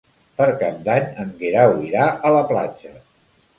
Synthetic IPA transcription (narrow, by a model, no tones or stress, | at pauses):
pəɾkap̚d̪aɲəŋɡiɾawiɾaʔələpla̰d͡ʒə